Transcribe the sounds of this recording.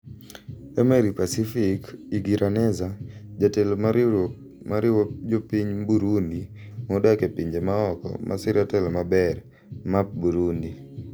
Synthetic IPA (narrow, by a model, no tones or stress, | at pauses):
ɛmeɾipasifikiɡiɾʔanɛzad͡ʒatelm | maɾɪwod͡ʒopiɲbuɾundi | mɔdakepiɲd͡ʒemaɔkɔ̰mʔa̰sɪɾatɛlomabɛr | map̚buɾundi